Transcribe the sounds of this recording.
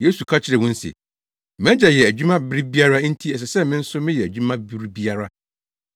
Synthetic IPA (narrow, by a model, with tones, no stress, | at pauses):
je˦su˨kʰa˦t͡ɕʰɪ˦ɾɛ˨wʊ̃˦n̩˦sḛ˨ | m˦ɛ̃˦d͡ʑɛ˨jɛ˨æ˨d͡ʑᶣu˦mã˦bɪ˦ɾi˦bi˦a˦ɾa˦n̩˦tʰi˦ɛ˨s̬ɛ˨sɛ˦mɪ̃˦n̩˦sʊ˦mɪ̃˦jɛ˨æ˨d͡ʑᶣu˦mã˦bi˦ɾi˦bi˦a˦ɾa˦